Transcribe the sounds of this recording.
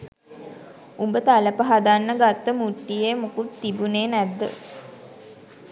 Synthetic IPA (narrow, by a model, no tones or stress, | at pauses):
umbət̪aləpəɦad̪anːəɡat̪ːəmuʈːijemukut̪ːibuneːnæd̪ːə̰